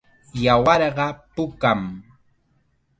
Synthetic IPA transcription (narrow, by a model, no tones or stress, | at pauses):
jawɑɾɢɑpʊkam